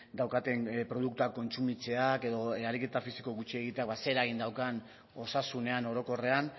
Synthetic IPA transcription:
d̪awkat̪e̞ŋpɾo̞ð̞uk̚t̪uakːo̞nt͡sumit͡se̞ake̞ðo̞aɾike̞t̪afisi̥ko̞ɣut͡ʃie̞ɣ̞it̪e̞akbase̞ɾaɣ̞ind̪awkan | o̞sasune̞ano̞ɾo̞ko̞re̞an

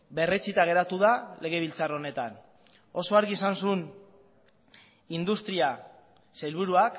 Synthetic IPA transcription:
be̞re̞t͡sit̪aɣ̞e̞ɾat̪uðale̞ɣ̞e̞β̞ilt͡saro̞ne̞t̪an | o̞so̞aɾɣiesansun | ind̪ust̪ɾia | sajlβ̞uɾuak

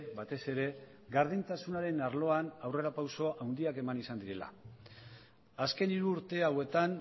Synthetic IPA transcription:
bat̪e̞se̞ɾe̞ɡaɾð̞int̪asunaɾe̞naɾlo̞anawre̞ɾapawso̞ʔawnd̪iake̞manisand̪iɾe̞la̰ | aske̞niɾuːɾt̪e̞awe̞t̪an

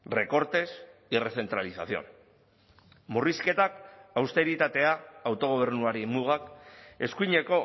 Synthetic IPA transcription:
re̞ko̞ɾt̪e̞sire̞θe̞nt̪ɾalisa̰θio̞̰n | muriske̞t̪akawst̪e̞ɾit̪at̪e̞aːwt̪o̞ɣ̞oβ̞e̞ɾnuaɾimuɣ̞ake̞skuiɲe̞ko̞

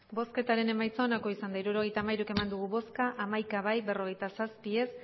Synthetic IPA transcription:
bo̞ske̞t̪aɾe̞ne̞majt͡saonako̞isand̪aiɾuɾo̞ɣ̞e̞jt̪aːmajɾuke̞mand̪uɣ̞uβo̞skaʔamajkaβajbe̞ro̞ɣ̞e̞jt̪asaspie̞s

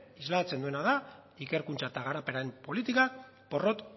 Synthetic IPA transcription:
izlat͡se̞nd̪ue̞naða | ike̞ɾkunt͡saet̪aɣaɾape̞ɾaempo̞lit̪ikak | po̞ro̞t̪

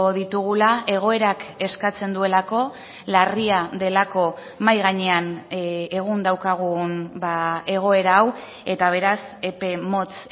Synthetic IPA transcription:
oðit̪uɣulae̞ɣ̞o̞e̞ɾake̞skat͡se̞nd̪ue̞lako̞ | lariaðe̞lako̞ | majɣaɲe̞ane̞ɣ̞und̪awkaɣ̞unbae̞ɣ̞o̞e̞ɾaːw | e̞t̪aβ̞e̞ɾase̞pe̞mo̞t͡s

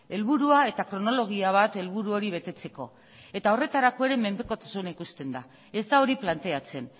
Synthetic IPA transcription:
e̞lβuɾuae̞t̪akɾo̞no̞lo̞ɣ̞iaβ̞at̪e̞lβuɾuo̞ɾiβ̞e̞t̪e̞t͡se̞ko̞ | e̞t̪ao̞re̞t̪aɾako̞e̞ɾe̞me̞mbe̞ko̞t̪ḁsunaikust̪e̞nd̪a | e̞zd̪ao̞ɾiplant̪e̞at͡se̞n

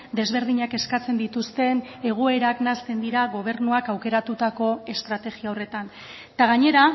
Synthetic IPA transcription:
d̪e̞zβe̞ɾðiɲake̞skat͡se̞nd̪it̪ust̪e̞ne̞ɣ̞oe̞ɾaknast̪e̞nd̪iɾaɣo̞β̞e̞ɾnuakawke̞ɾat̪ut̪ako̞e̞st̪ɾat̪e̞ɣiao̞re̞t̪an | t̪aɣaɲe̞ɾa

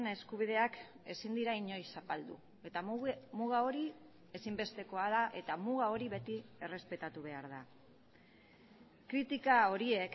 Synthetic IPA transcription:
ne̞skuβ̞ið̞e̞ake̞sind̪iɾaiɲo̞jsapald̪ṵ | e̞t̪amuɣao̞ɾi | e̞simbe̞st̪e̞ko̞aðaʔe̞t̪amuɣ̞ao̞ɾiβe̞t̪ie̞re̞spe̞t̪at̪uβ̞e̞aɾða | kɾit̪ikao̞ɾie̞k

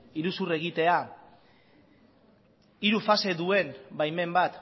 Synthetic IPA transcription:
iɾusure̞ɣ̞it̪e̞a | iɾufase̞ðue̞nbajme̞mbat̪

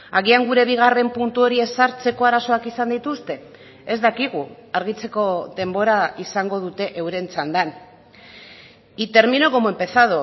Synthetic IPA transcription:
aɣiaŋɡuɾe̞βiɣ̞are̞mpunt̪uo̞ɾie̞saɾt͡se̞ko̞aɾaso̞akisand̪it̪ust̪e̞ | ezd̪akiɣ̞uaɾɣ̞it͡se̞ko̞ðe̞mbo̞ɾaisaŋɡo̞ð̞ut̪e̞ʔewɾe̞nt͡sand̪an | it̪e̞ɾmino̞ɣo̞moempe̞saðo

